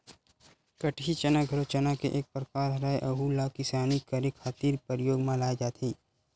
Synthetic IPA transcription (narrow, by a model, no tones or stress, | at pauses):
kɐʈʰit͡ʃɐnaɡʱɐɾõt͡ʃɐnakeʔeːk̚pɾəkaːɾɾaeʔɐɦuːlakɪsaːnikəɾekʰaːt̪iːɾpəɾjoːɡmãlaːjd͡ʒaːt̪ʰiː